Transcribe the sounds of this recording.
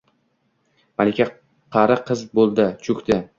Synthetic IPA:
malʲɪkʲʰa | qʰɑɾɪqʰɨzbolˠd̪ɪt͡ʃʰɵkʲd̪ɪ

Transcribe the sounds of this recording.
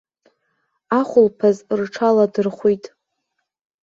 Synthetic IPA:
aχʷʊlpʰazrʈ͡ʂʰaladɨrχʷujtʼ

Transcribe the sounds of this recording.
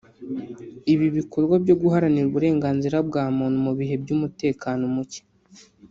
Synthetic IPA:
iβiβikʰo̞ɾɡwabjo̞ɡuɦaɾaniɾuβuɾe̞ːŋɡaːnziɾabɡaːmuːnumuβiɦe̞bɟuːmute̞ːkaːnomuce̥

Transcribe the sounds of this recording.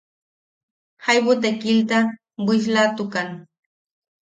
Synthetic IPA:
hajwʊt̪akɪlt̪a | wɪʃ̬lat̪ʊkaŋ

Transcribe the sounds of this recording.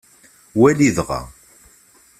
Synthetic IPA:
wæliðʁa̰

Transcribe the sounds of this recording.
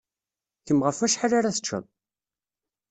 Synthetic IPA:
θəmʁəfæʃħaɾaɾæθə̥t͡ʃːə̰ðˤ

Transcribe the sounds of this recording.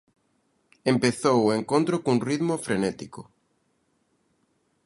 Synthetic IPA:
empeθowueŋkõnt̪ɾokouŋriðmofɾenɛt̪iko

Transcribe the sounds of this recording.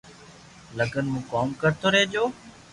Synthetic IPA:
ləɡʱənmũːkɔːmkəɾt̪ʰoːɾeːd͡ʒoː

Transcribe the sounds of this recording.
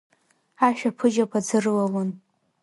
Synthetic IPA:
aʃᶣapʰɨd͡ʒakʷʰʼad͡zɨrlalon

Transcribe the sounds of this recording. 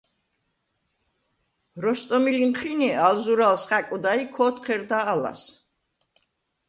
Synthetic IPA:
ɾɔst̪ʼɔmilimχʰɾinialzuɾalsχakʼud̪aikʰɔːt̪qʰɛɾd̪aːla̰s

